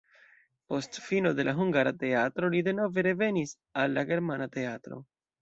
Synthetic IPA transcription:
po̞stfino̞de̞lʔaɦuŋɡaɾate̞atɾo̞lide̞no̞ve̞ɾe̞ve̞nis | alːaɡe̞ɾmanate̞atɾo̞̰

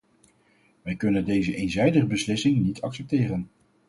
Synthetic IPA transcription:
ʋɛjkɵnəndejzəʔejnzɛjdəχəbəslɪsɪŋnitʰɑksɛp̚tɪːrən

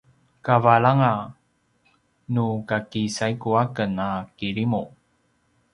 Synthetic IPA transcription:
kavaɭaŋa | nukakisajkuakənakiɾimu

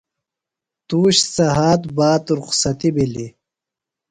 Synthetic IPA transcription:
t̪uːɕt͡sɐɦaːt̪baːt̪uɾqsɐt̪ibili

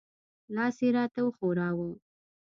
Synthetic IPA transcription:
lɑseɾɑt̪awəxoɾɑwu

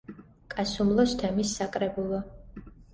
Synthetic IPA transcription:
kʼasumlˠɔst̪ʰɛmisːakʼɾɛbulˠɔ

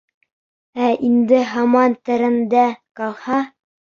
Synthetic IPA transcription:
æind̪ɘɦɑmɑnt̪ɘ̆ɾɘ̆nd̪ækɑlˠhɑ

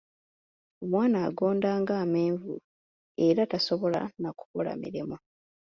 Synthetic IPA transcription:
omwaːnaːɡo̞ːndaːŋɡaːmeːɱvṵ | e̞ɾataso̞βo̞la̰naku̥βola̰mḭɾimu

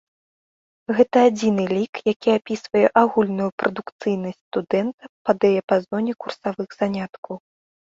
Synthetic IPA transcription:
ɣɛt̪ɐːd͡zʲinɨlʲikjakʲiapʲisvɐjɛʔaɣulʲnujupɾʔɐd̪ukt̪sɨjnɐsʲtʲst̪ud̪ɛnt̪ɐpɐd̪ɐjɛpazɔnʲɛkursavɨɣz̥anʲat̪kɐw

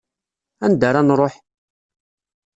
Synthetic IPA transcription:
ænd̪aɾˤanɾˤoħ

